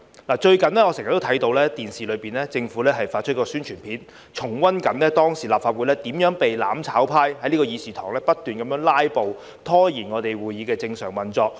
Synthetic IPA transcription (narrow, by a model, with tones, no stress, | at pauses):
laː˨˩t͡ʃɵ˧ɥkɐ˨nlɛː˥ŋɔ˨˧sŋjɐ˨t̪ːo˥t̪ʰɐ˨˥jt̪o˧wlɛː˥t̪iː˨nsiː˨lɵ˨˧piː˨˩nɛː˥t͡sɪ˧ŋfuː˨˥lɛː˥ɦɐ˨jfaː˧t̚t͡ʃʰɵ˥t̚kɔː˧syː˥nt͡ʃʰyː˨˩npʰiː˨˥n | t͡ʃʰʊ˨˩ŋwɐ˥nkɐ˨˧nlɛː˥t̪ɔː˥ŋsiː˨˩laː˨pfaː˧t̚wuː˨˧lɛː˥t̪iː˨˥mjœː˨˥ŋpe˨jla̰ː˨˥mt͡sʰaː˨˥wpʰaː˥jɦɐ˨˧jli˥kɔː˧jiː˨˧siː˨˩t̪ʰɔ̰ː˨˩ŋlɛː˥pɐ˥t̚t̪ːyː˨nkɐ˨˧mjœː˧˥ŋlaː˥jpo˨w | t̪ʰɔː˥jiː˨˩nŋɔː˨˧t̪e˨jwuː˨˩jiː˨˧kɛː˧t͡sɪ˧ŋsœː˨˩ŋwɐ˨˩nt͡sɔː˧k̚